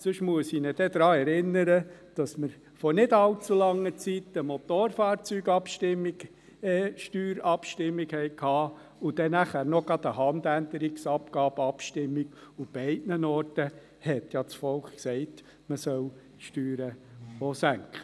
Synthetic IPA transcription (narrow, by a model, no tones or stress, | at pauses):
sʏʃmuəsinəd̥ɛd̪̥ɾɑːɛɾɪnːəɾəd̥ɑsməɾ | fɔɾnɪdɑlt͡sulɑŋːət͡sit̪əmɔt̪oːɾfɑːɾt͡syːɡɑpʃtɪmi | ʃtyːɾɑpʃtɪmːiɡhɛɪkʰhɑː | ʊd̥ɛnæχæːɾnɔɡ̥ɑd̪əɦɑnd̪ænd̪əɾiksɑpɡ̥ɑːb̥əɑpʃtɪmːiɡ̥ʊb̥ɛɪdnənɔːrtə | hɛtjɑt͡sfɔlkksɛɪt | məsœl | ʃtyːɾəosæŋkχə